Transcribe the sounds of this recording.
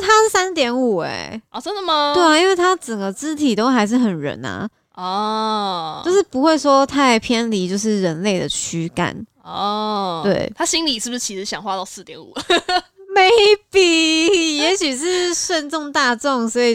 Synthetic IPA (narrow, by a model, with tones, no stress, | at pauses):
t̪ʰa˥ʂ̩˥˩sa˦˥nt̪jɛ˧˥nu˨˩ɛ̰˨˩ɪɔ˧˩ʈ͡ʂə˥nd̪ə˨ma˧twe˥˩ɪa˨˩i˥nwe˥˩ɪt̪ʰa˥ʈ͡ʂə˨˩nɡə˦t͡sɹ̩˥t̪ʰi˨˩t̪o˥ʊxa˧˥ɪʂ̬ɻ̩˥˩xə˨˩nɻə̰˧˥nɐ̰˧ | ɔ˥˩ | t͡ɕo˥˧ʊʂɻ̩˥˩pu˧˥xwe˥˩ɪʂwɔ˥t̪ʰa˥˩ɪpʰjɛ˥nli˧˥t͡ɕjo˥˧ʊʂɻ̩˥˩ɻə˧˥nle˥˩ɪd̪ə˩t͡ɕʰy˥ka̰˨˩˦n | ɔ˥˧˩t̪we˥˩ɪt̪ʰa˥ɕi˥ŋli˨˩ʂɻ̩˥˩bʂ̩˥˩t͡ɕʰi˧˥ʂɻ̩˧˥˩ɕjɑ˨ŋxwa˥t̪ɑ˥˧ʊsɹ̩˥˩t̪jɛ˧˥nṵ˨˩ | me˧˥ɪɪpi˨˩jɛ˧˥ɕy˨˩ʂɻ̩˥˧ʂwə˥˧nʈ͡ʂʊ˥˧ŋt̪a˥˧ʈ͡ʂʊ˥˩ŋswɔ˧˥i˨˩